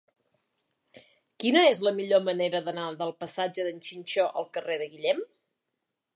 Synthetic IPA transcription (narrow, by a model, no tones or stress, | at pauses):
kinəezləmiʎoməneɾəðənaðəlˠpəsad͡ʒəðənʲt͡ʃinʲt͡ʃɔʔə̰lˠkəreðəɣiʎɛm